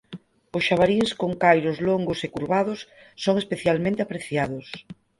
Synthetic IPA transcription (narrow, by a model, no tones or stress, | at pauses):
ʊsʃaβaɾiŋskoŋkajɾʊzloŋɡosekuɾβaðʊsː | oŋespeθjalmẽnt̪eapɾeθjað̞ʊs